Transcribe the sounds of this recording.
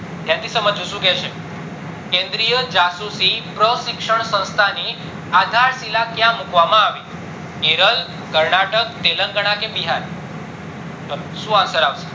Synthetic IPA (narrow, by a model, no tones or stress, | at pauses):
t̪jãt̪ʰisəməd͡ʒuʃũkɛt͡ʃʰe | kẽnd̪ɾijəd͡ʒasusipɾəʃikʂəɳ̃sə̃w̃st̪ʰani | ad̪ʱaɾsilakjãmukʋamãaʋi | eɾəl | kəɾɳaʈək̚t̪eləŋɡəɽ̃akebiɦaɾ | ʃũasəɾaʋse̥